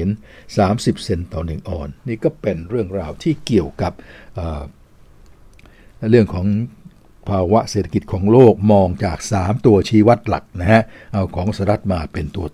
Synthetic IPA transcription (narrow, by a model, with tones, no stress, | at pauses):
n | saː˩˦msi˨˩p̚se˧nt̪ɔː˨˩nɯ˨˩ŋʔɔː˨˩nːiː˥˩kɔː˥˩pe˧nɾɯ˥˩əŋɾaː˧wt̪ʰiː˥˩ki˨˩əwka˨˩p̚ʔəː˨˩ | ɾɯ˥˩əŋkʰɔː˩˦ŋ | pʰaː˧wa˦˥ʔseː˨˩t̪ʰa˧ki˨˩t̪̚kʰɔː˩˦ŋloː˥˩k̚mɔː˧ŋt͡ɕaː˨˩k̚saː˩˦mt̪u˧ɐt͡ɕʰiː˦˥wa˦˥t̪̚la̰˨˩k̚na˦˥kʰa˦˥ʔʔa˧wkʰɔː˩˦ŋsaː˧˦ɾa˦˥t̪̚maː˧pe˧nt̪u˧ɐ